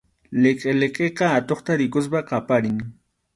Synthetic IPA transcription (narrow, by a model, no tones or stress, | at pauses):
leqʼeleqʼeqɑat̪oχt̪aɾɪkʊs̬paqɑpaɾɪŋ